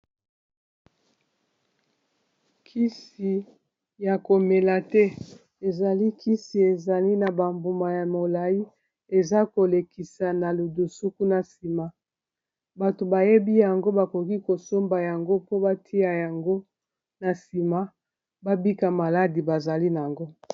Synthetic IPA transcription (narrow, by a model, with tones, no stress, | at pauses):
kʰi˦si˨ | ja˨ko˨me˨la˨tɛ˦ | e˨za˨li˦kʰi˦si˨e˨za˨li˦na˨ba˨mbu˨ma˨ja˨mo˨la˨ji˦ | e˨za˦ko˨le˨ki˨sa˨na˨lu˨du˨su˦ku˦na˨si˨ma˦ | ba˨to˨ba˨je˦bi˦ja˨ŋɡo˦ba˨ko˨ki˦ko˨so˦mba˨ja˨ŋɡo˦po˦ba˦tʰi˦ja˨ja˨ŋɡo˦ | na˨si˨ma˦ | ba˦bi˦ka˨ma˨la˦di˨ba˨za˨li˦n˨a˨ŋɡo˦